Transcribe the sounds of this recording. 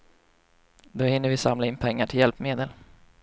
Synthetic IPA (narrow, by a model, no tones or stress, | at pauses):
d̪ohɪnːəɾvɪsamlaɪnːpʰɛŋːaʈʰɪljɛlpmeːd̪əl